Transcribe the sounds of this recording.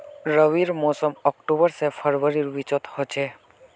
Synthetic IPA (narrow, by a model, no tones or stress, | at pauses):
ɾəʋiɾmɔsəmɔkʈubəɾsepʰəɾʋəɾiɾʋit͡ʃɔt̪hɔt͡ʃʰe